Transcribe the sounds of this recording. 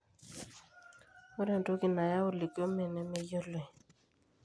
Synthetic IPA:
o˦ɾɛ˦˨ndo˦ki˨na˨ja˦ʊ˦˨li˨ko˦mɛ˨nɛ˦me˦jɔ˦le˨

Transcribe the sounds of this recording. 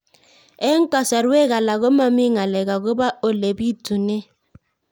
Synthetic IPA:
e˦ŋ̩˦ka˨sa˨ɾwe˦ɣa˨la˨ɣo˦ma˦mi˦ŋa˨lɛ˨ɣa˨ɣo˦ba˦o˨le˨bi˦tu˨ne˦

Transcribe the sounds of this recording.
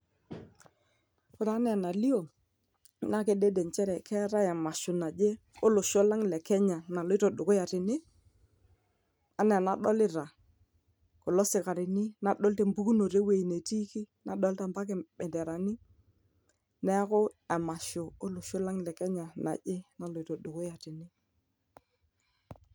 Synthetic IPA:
kʊ˨ɾa˨˦nɛ˦a˨na˨li˦o˨ | na˦ke˦de˦de˨nt͡ʃɛ˦ɾɛ˨kɛ˦ɾa˦a˨ma˨ʃʊ˨na˨d͡ʒe˦ | o˦lʊ˨ʃo˦la˦ŋ˨lɛ˨kɛ˦ɲa˨na˨lo˦ɪ˦to˨ɗʊ˨kʊ˦ja˨tɪ˨nɪ˦ | a˨nɛ˨a˨na˨ɗɔ˦lɪ˦ɾa˨ | kɔ˨lɔ˦sɪ˨ka˨ɾɪ˨nɪ˦na˨ɗɔ˦lte˨mbu˦ku˦no˨ɾe˦we˨i˨ne˨ti˦ki˦na˨ɗɔ˦lta˦˨mba˦k̬ɛ˨ɓɛ˨ndɛ˨ɾa˨nɪ˦ | nɛ˦kʊ˦a˨ma˨ʃo˨o˦lʊ˨ʃo˦la˦ŋlɛ˨kɛ˦ɲa˨na̰˨ʄe˦na˨lo˨ɪ˨˦to˨ɗʊ˨kʊ˦ja˨tɪ˨nɪ˦

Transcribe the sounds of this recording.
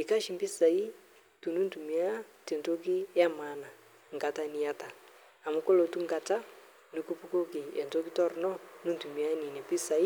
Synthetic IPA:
i˨ka˦ʃi˨mbi˦sa˨i˦ | tu˨nu˦ntu˨mi˨˦a˦te˨nto˦k̬i˦ja˦ma˨˦na˨ | ŋ˨ɡa˨ta˦ni˨ja˦ta˨ | a˨mu˨˦ko˦lo˨tu˦ŋɡa˨ta˦ | nu˦ku˦pu˦ko˦ki˨e˨nto˦ki˦tɔ˦˨ɾnɔ˦nu˦n˨tu˨mi˨˦a˦ni˨ne˨pi˦sa˨i˦

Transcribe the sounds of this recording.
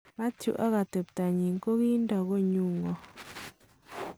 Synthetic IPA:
ma˦tjṵ˨ʔa˦ɣa˨t̪e˨pta˨ɲi˨ŋ˦ko˦ɣi˦nda˨ɣo˦ɲu˦˨ŋɔ˨

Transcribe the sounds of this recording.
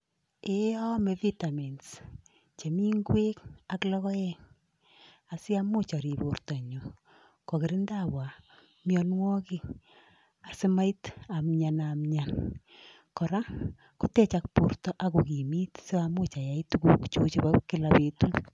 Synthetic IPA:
eɔ˦mevita˨mi˨ns | t͡ʃe˨mi˦ŋɡwe˦kaklɔ˦kɔ˦jɛŋ | a˨sɪ˦amʊ˦t͡ʃa˨ɾi˨pu˨rta˨ɲo˨ | kɔ˨kɪ˨ɾɪ˦ndabwa˨ | mjɔnwɔ˦ki˦ | a˨sɪ˦ma˦ita˨mɲanamɲan | kɔ˨ɾa˦ | ku˦tɛ˦t͡ʃak̚pu˨rtɔ˦ʔakoki˨mi˦tse˦amʊ˦t͡ʃa˨ja˨ituku˦kt͡ʃu˦t͡ʃibakɪ˦lape˨tu˦

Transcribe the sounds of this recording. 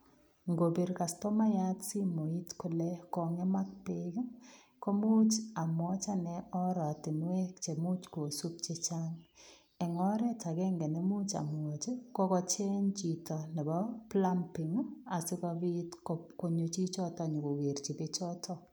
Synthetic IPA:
ŋɡo˨be˨ɾka˨stɔ˦ma˦ja˦tsi˦mo˨i˦tko˦lɛ˦kɔ˨ŋɛ˦ma˦k̚pe˦ɡ | kɔ˦mu˦t͡ʃa˨mwɔ˦t͡ʃa˦nɛ˦ɔ˦ɾɔ˨a˨tɪ˨nwɛ˦kt͡ʃe˨mu˦t͡ʃko˨su˦p̚t͡ʃe˦t͡ʃa˦ŋ | ɛ˨ŋɔ˦ɾɛ˦t͡ʃa˨ɡɛ˦ŋɡɛ˨nɛ˦mu˦t͡ʃa̰˨m˨ɔ˨t͡ʃe˦kɔ˦kɔ˦t͡ʃe˦ɲt͡ʃi˨tɔ˨nɛ˨bɔ˦pla˦mpɪ˨ŋ˦a˨sɪ˦kɔ˧bi˦tkɔko˦ɲo˨t͡ʃi˦t͡ʃɔ˦tɔ˨ɲʊ˨ko˨we˨ɾt͡ʃi˨be˦t͡ʃɔ˦tʰɔ˦

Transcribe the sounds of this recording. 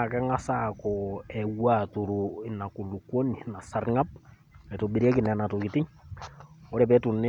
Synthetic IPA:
kɛ˦ŋa˦sakɔɛ˨wwa˦˨tu˨ɾo˨e˨na˨ku˨lu˨kwo˦ni˨na˨sa˦ɾŋa˦p̚ | ɛ˨to˨ɓe˨ɾi˦ɛ˦ki˨nɛ˨na˨to˨ki˨ti˦ | o˦ɾɛ˨pɛ˦tu˨ne

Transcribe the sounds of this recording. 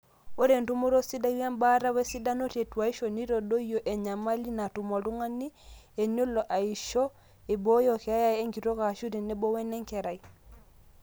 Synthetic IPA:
o˦ɾɛ˨ntu˦mu˦ɾɔ˦si˦da˦ja˦mba˦ɾa˦wɛ˦si˦da˦no˦tɛ˨twa˨i˦ʃɔ˨ni˦ɾɔ˨ɗɔ˦ijɔ˨ʔɛ˨ɲa˨ma˦li˦na˨tu˨mɔ˨lu˦ŋa˦ni˦ɛ˨ɲu˦lɔ˨ʔa˨i˨ʃɔ˦ | e˨bɔ˦jɔ˨kɛa˦ja˦˨ɛ˦ŋɡi˨ɾɔ˦ka˨ʃu˦ɾi˨nɛ˦bɔ˦wɛ˦nɛ˦ŋkɛ˨ɾa˨i˨

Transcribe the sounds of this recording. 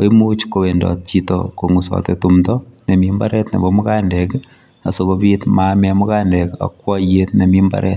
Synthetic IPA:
o˦i˦mut͡ʃko˨we˨ndɔ̰˨t̚t͡ʃito̰ko˨ŋusɔ̰˨tetumtɔne˨mimba̰˦ɾɛtnḛ˨bomʊ˦kandɛk | a˨so˨kobitmamɛ˦amu˦ka˦ndɛ˨ka̰˨kwɔ˦jetne˨mimba̰˦ɾʔɛ̰t

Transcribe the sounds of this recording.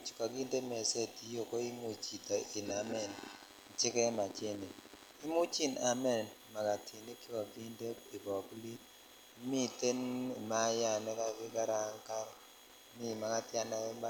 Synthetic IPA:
t͡ʃka˨ɡi˦nde˦me˨se˦ti˨jo˦ko˦i˦mu˨t͡ʃi˨ta˨ɪ˨na˨mɛ˨n˨ | t͡ʃɪ˦kɛ˦ma˨t͡ʃe˦ne˨ | ɪ˦mu˦t͡ʃi˦na˨mɛ˦˨nma˨ka˨tʰi˨ni˦ki˦ka˨ɡi˦nde˦i˨bɔ˨kli˦ | mi˦te˦ni˨ma˦ja˦˨nɛ˦ka˦vɪ˦ɡa˦ɾa˨˦ŋka˦ɾ | mi˦˨ma˦ka˦tja˦na˦ɛ˦ma˦

